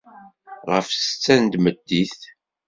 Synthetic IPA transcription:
ʁəfsət͡sːænd̪məd̪ːiθ

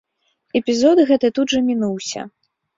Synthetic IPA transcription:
ɛpʲizɔd̪ɣɛt̪ɨt̪ud̪ʐɐmʲinuwsʲɐ̰

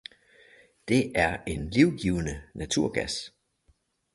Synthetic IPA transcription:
d̥e̝ʔæɐe̝nliʊɡ̥iːʊənənæt͡sʰuɐ̰ɡ̥æs

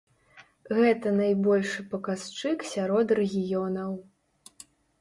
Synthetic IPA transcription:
ɣɛt̪ɐnajbɔlʲʂɨpɐkast͡ʂɨksʲaɾɔt̪rɛɣʲijɔnɐw

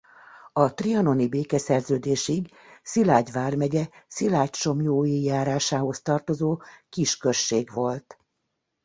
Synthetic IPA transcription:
ɒt̪riɒno̞nibeːkɛsɛrzøːd̪eːʃiɡ | silaːɟʋaːrmɛɟɛsilaːct͡ʃo̞mjoːjijaːɾaːʃaːɦo̞st̪ɒrt̪o̞zoːkiʃkørʃːeːɡʋo̞lt̪

